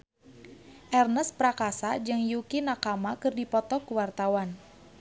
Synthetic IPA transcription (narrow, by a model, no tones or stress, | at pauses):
ʔɛrnəspɾakasad͡ʒɨŋjukinakamakɨrdipɔt̪ɔkuwart̪awan